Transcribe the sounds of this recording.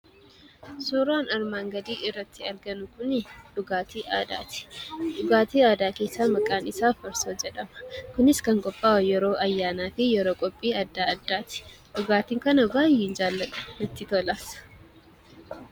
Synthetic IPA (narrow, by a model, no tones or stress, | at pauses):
suːɾaːnɐɾmaːŋɡɐd̪iːʔɪrːɐt̪ːɪɐɾɡɐnʊkʊnᶑʊɡaːt̪iːʔaːd̪a̰ːt̪ɪ̥ᶑʊɡaːt̪iːaːd̪aːke̞ːsːaːmɐkʼːaːnɪsaːfɐɾsoːd͡ʒɛᶑɐmɐ̥kʊnɪskɐŋkʼɔpʼːaːwɐjɛɾo̞ːʔɐjːaːnaːfɪjɛɾo̞ːkʼɔpʼːiːɐd̪ːaːɐd̪ːaːt̪ɪ̥ | ᶑʊɡaːt̪iːŋkɐnɐbaːjːeːnd͡ʒaːlːɐᶑɐ̥nɐt̪ːɪt̪oːlaːsɐ̥